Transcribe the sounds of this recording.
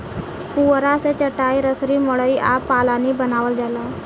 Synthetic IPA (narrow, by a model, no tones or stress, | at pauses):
puɾaset͡ʃəʈaːiɾəsɾiːmɔɭəiʔaːpːaːlanibənaːʋəld͡ʒala